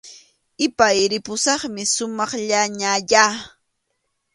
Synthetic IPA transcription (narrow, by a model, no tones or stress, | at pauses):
ɪpajɾɪpʊsɑχmɪsʊmɑχʎaɲaʎa